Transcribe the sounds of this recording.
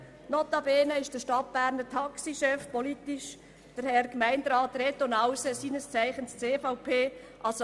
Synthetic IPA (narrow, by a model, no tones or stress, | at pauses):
nɔt̪ɑbeːnəɪʃd̥əʃtɑt̚b̥æːɾnətʰɑksiʃɛfpolitiʃ | d̥əɾhɛɾkmæɪndɾɑːt̪ret̪onawsəsiːnəst͡sæɪχənst͡seːfaʊpʰeːʔɑs